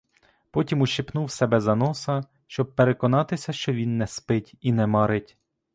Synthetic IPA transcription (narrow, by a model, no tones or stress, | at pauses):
pɔtʲimuʃipnuwsɛbɛzɐnɔsɐ | ʃt͡ʃɔb̚peɾekɔnɑt̪ɪsʲɐʃt͡ʃɔʋʲinːɛspɪtʲinɛmɑɾɪtʲ